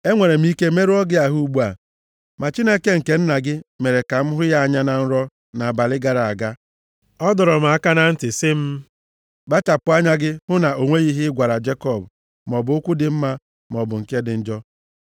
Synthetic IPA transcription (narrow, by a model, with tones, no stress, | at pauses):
e˦ŋʷe˨ɾe˨m̩˦i˦ke˦me˦ɾu˦ɔ˦ɡɪ˦a˨ɦu˦ɡ͡bu˦a˨ | ma˨t͡ʃi˦ne˦ke˦ŋ̩˨ke˨n̩˦na˨ɡɪ˦me˨ɾe˨ka˨m̩˦ɦʊ˦ja˦a˨ɲa˦na˨n̩˦ɾɔ˦ | na˨a˨ba˨lɪ˦ɡa˨ɾa˨a˨ɡa˦ | ɔ˦dɔ˨ɾɔ˨m̩˨a˦˨ka˦na˦n̩˦tɪ˨sɪ˦m̩˦ | ɡ͡ba˦t͡ʃa˨pʊ˨˦a˦ɲa˦ɡɪ˦hʊ˦na˨o˨ŋʷe˦ɣi˦ɦɪ˦ɡʷa˨ɾa˨d͡ʒe˦kɔ˦˨b | m˨ɔ˨bʊ˨ʊ˦kʷʊ˦dɪ˨m̩˦ma˦ | m˨ɔ˨bʊ˨ŋ̩˨ke˦dɪ˨n̩˦d͡ʒɔ˦